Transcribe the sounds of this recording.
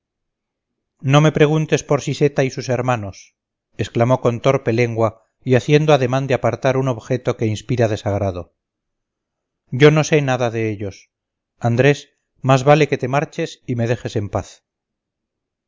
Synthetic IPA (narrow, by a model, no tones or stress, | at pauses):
no̞me̞pɾe̞ɣunt̪e̞spo̞ɾsise̞t̪aisuse̞ɾmano̞s | esklamo̞ko̞nt̪o̞ɾpe̞le̞ŋɡwa | iaθje̞nd̪oaðe̞mãnd̪eapaɾt̪aɾuno̞βxe̞t̪o̞ke̞inspiɾaðe̞saɣ̞ɾaðo | ɟ͡ʝo̞no̞se̞naðaðe̞eʎo̞s | and̪ɾe̞s | mazβale̞ke̞t̪e̞maɾt͡ʃe̞sime̞ðe̞xe̞se̞mpaθ